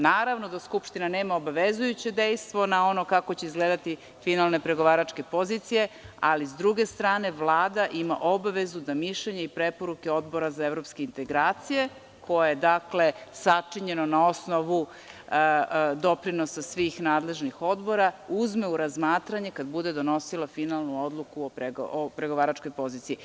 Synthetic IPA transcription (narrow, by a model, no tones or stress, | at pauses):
naːɾaʋno̞d̪askupʃt̪inaneːmaobaʋezujut͡ɕe̞d̪e̞jst̪ʋo̞nao̞no̞kakot͡ɕeizɡled̪at̪i | finalˠne̞pɾe̞ɡo̞ʋaːɾat͡ʂke̞po̞zit̪sije̞a̰lizd̪ɾuɡe̞st̪ɾaːne̞ʋlˠaːd̪aʔima̰ʔobaʋe̞zud̪amiʃʎeɲeipɾepo̞ɾuke̞o̞d̪bo̞ɾazaeʋɾo̞pske̞int̪e̞ɡɾaːt̪sije̞ | kʰo̞jajed̪akle̞sat͡ʂiɲe̞nonao̞snoʋu | d̪o̞pɾino̞sasʋiːxnaːd̪le̞ʒnixo̞d̪bo̞ɾauzme̞uɾazmaːt̪ɾaɲe̞kad̪bud̪e̞d̪o̞no̞silˠafinalˠnuo̞d̪lˠukuopɾeɡopɾe̞ɡo̞ʋaːɾat͡ʃko̞jpo̞ziːt̪ii